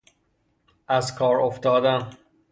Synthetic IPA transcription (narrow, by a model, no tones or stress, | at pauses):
ʔæzkʰɒːɾoft̪ɒːd̪æn